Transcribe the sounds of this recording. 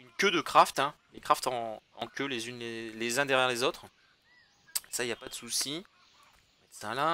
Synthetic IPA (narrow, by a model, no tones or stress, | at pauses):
ynkʲød̪əkχaft̪ɛ̃lekχaft̪ɑ̃ɑ̰̃kʲølezynlelezɛ̃d̪ɛʁjɛʁlezot̪χ | esailjapad̪əsusi | mɛt̪sɛ̃lã